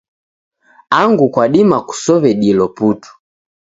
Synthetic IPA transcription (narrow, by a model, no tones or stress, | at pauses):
aŋɡukwaɗimaku̥sɔβɛɗilɔputu̥